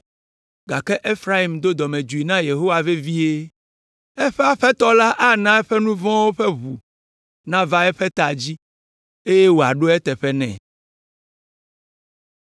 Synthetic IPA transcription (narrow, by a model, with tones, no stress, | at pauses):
ɡa˨kɛ˦ʔe˦fɾa˦i˨md̪o˦d̪ɔ˨mẽ˨d͡ʒu˨i˨nã˦je˨ɦo˦wa˨ve˦vi˦e˦ | ɛ˦ɸɛ˦a˦ɸɛ˦t̪ɔ˦la˦ʔa˦nã˦ɛ˦ɸɛ˦nũ˦vɔ̃˦wo˦ɸɛ˦βu˨ | nã˦va˦ɛ˦ɸɛ˦t̪a˨d͡ʑi˦ | e˦je˦wo˨a˨ɖo˦ɛ˦t̪ɛ˨ɸɛ˦nɛ̰̃˨